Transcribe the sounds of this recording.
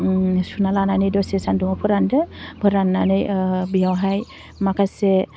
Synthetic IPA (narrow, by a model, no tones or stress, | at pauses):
sunalananɯjdɔsesandɔŋɔpʰɔɾandɯbʱɯɾanːanɯjbijawɦaj | makʰase